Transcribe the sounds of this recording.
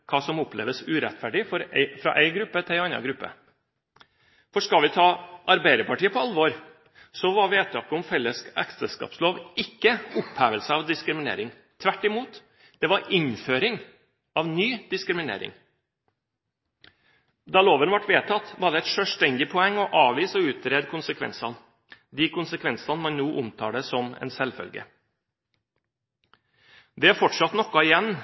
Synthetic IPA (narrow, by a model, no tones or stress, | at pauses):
kʰɑːsɔmʊplḛːʋəsʉːɾɛt̪fæɖɪfɔɾfɾɑ̰ːʔæɪɡɾʉpːət̪ʰɪlɑnɑ̰ɡɾʉpːə̰ | fɔʂkɑlʋɪt̪ʰɑːʔɑɾbæɪd̪əpɑʈiːəpʰɔɑlʋoːɾ | sɔʋɑɾʋeːt̪ʰɑːkəʊmfɛlːəskæ̰ksəskɑ̰ːpsloːʋɪkːəʊphæːʋəlsəɑʋd̪ɪskɾɪmɪnḛːɾɪŋ | t̪ʰʋæʈːɪmuːt̪ | d̪̥ɛʋɑɾɪnføːɾɪŋ | ɑʋnyːd̪̥ɪskɾɪmɪnḛːɾɪ̰ŋ | d̪ɑːloːʋənʋɑʈʋeːt̪ʰɑt̪ːʋɑːɾɖ̪ɛɛt̪ʃœːʂt̪ɛnd̪ɪpʰɔɛŋːɔʔɑːʋiːsɔʉːt̪ɾeːd̪kʰʊnsəkʰʋɛ̰nsɑn | d̪ɪkʊnsəkʰʋɛnsɑnəmɑnnuːʔʊmt̪ʰɑːɖɛsɔmɛ̰ːnsɛlfœ̰lɡə̰ | d̪ɛæɾfɔʈʂɑt̪nɔkːɑɪjɛnː